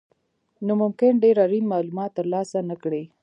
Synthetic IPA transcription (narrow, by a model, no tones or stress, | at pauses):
nomʊmkɪnɖeɾaɾinmɑlumɑt̪ːəɾlɑsanakɽe